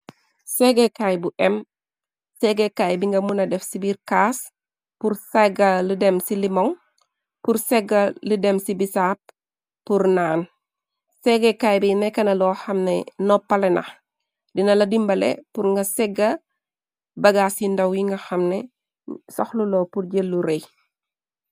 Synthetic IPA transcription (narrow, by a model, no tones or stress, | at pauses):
sɛɡɛkajbuʔɛm | sɛɡɛkaːjbiŋɡɐmunɐdɛfsibiɾkaːs | puɾsɛɡɐlidɛmsilimɔŋ | puɾsɛɡːɐlidɛmsibisap̚ː | uɾnaːn | sɛɡɛkajbinɛkɐnɐlɔːxɐmnɛnɔpːɐlɛnɐ̰x | dinɐlɐdimbɐlḛpuɾŋɡɐsɛɡɐ | bɐɡaːsindɐwjiŋɡɐxɐmnɛ | sɔxlulɔːpuɾɟelːuɾej